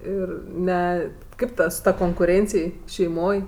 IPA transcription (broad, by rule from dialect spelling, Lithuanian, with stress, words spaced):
ˈɪr ˈnʲɛ ˈkɐɪp ˈtɐ sʊ ˈtɐ koːŋkʊˈrʲeːnʲt͡sʲɪj ʃʲɛɪˈmoːj